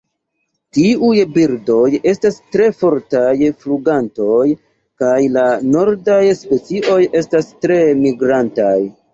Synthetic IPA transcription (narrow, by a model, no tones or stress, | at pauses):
tiujbiɾdo̞je̞stastɾe̞fo̞ɾtajfluɡanto̞j | kajlano̞ɾdajspe̞t͡siʔo̞je̞stastɾe̞miɡɾantaj